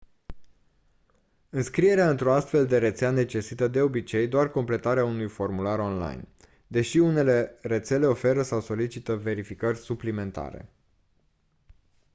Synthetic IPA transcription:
ɨnskɾije̞ɾeaɨnt̪ɾoast̪fe̞ld̪e̞ɾe̞t̪seane̞t͡ʃe̞sit̪əd̪e̞o̞bit͡ʃe̞jd̪oarko̞mple̞t̪aɾeaunujfo̞rmulaɾo̞nla̰jn | d̪e̞ʃiune̞le̞re̞t̪se̞le̞o̞fe̞ɾəsawso̞lit͡ʃit̪əve̞ɾifikərʲsuplime̞nt̪a̰ɾe̞̰

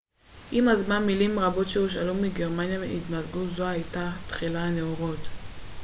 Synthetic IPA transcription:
ʔimazmanmilimʁabo̞tʃeuʃ̬alumiɡe̞ʁmanjameitmazɡuzoajtatχilaneoʁot

